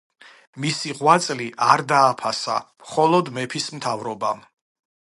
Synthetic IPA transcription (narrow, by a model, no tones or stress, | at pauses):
misiʁwat̪sʼliʔaɾd̪aːpʰasa̰mχɔlˠɔd̪mɛpʰismt̪ʰavɾɔbam